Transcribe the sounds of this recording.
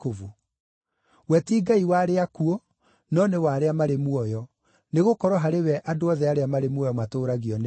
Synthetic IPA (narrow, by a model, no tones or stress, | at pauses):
ovu | wɛtiːɡaiwaɾeakuɔ | nɔnewaːɾeamaɾemwɔjɔ | neɣokɔɾɔɦaɾewɛʔadoɔðɛaɾeamaɾemwɔjɔmatoːɾaɣiɔn